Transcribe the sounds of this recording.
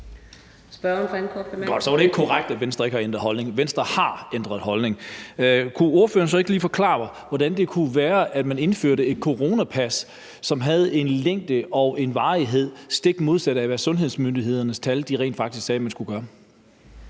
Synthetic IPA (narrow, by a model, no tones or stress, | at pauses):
sb̥ɶɐnfenkʰɔɡ̥ɒd̥sɒ̽ʋɑ̈ɾee̝ɡ̥əkʰɒʁaɡ̥̚d̥æʋen̰sd̥ʁɐe̝ɡ̥əhɑ̈end̥ʁɐɦɒ̽lne̝ŋʋen̰sd̥ʁɐhɑ̈end̥ʁɐð̞̩ˠɦɒ̽lne̝ŋ | kʰuo̝ɐfø̰ːɐn̩sɒ̽e̝ɡ̥əliːfɒ̽kʰlɑ̰̈ː | ʋɒd̥ænd̥e̝kʰuʋæːɐʔæd̥mæne̝nføɐ̰ɾəe̝d̥̚kʰo̝ʁo̝ːnæpʰæs | sɒ̽mɦæð̞̩ˠe̝nleŋ̰d̥əʔɒ̽ʊʔe̝nʋɑ̈ːiɦe̝ð̞̰ˠsd̥e̝ɡ̥mo̝ðˠsæɾəæʋæːɐsɔ̽nɦe̝ð̞ˠsmønd̥iɦe̝ð̰ˠɐnəst͡sʰæld̥iʁɛ̰ːn̥fɑ̈ɡ̥d̥isɡ̥sɛːmænsɡ̥uɡ̥ɶːɐ